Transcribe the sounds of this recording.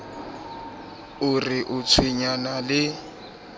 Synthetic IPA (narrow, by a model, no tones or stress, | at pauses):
ʊrɪʔʊt͡sʰwiɲanalɪ